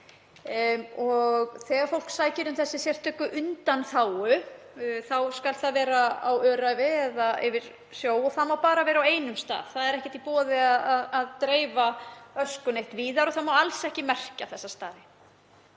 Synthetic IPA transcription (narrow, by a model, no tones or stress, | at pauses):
ɔɣθɛːɣaɾfowl̥ksaːjcɪɾʏmθɛsːɪsjɛr̥t̪ʰœːkʏʔʏnt̪anθaːwʏ | θawskalt̪θaðvɛːɾaawœːɾajvɪɛðaɛ̰vɪɾ̥ | sjoːwɔθamːawpaːɾavɛːɾawejnʏmst̪a̰ːð̥θaðɛɾɛhcɛ̥ht̪ipɔːðɪaðaðaðt̪ɾeːjvaœskʏnejht̪viːðaɾɔθamawalsɛhcɪmɛr̥caθɛsːast̪a̰ːðɪ